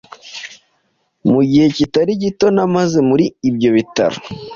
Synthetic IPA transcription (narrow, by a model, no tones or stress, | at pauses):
muɟihe̞citaɾiɟito̞namaze̞muɾiːbjo̞βita̰ɾo̰